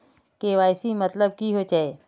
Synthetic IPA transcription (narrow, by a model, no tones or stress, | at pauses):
keʋaːɪsimɐt̪ləb̚kiɦot͡ʃae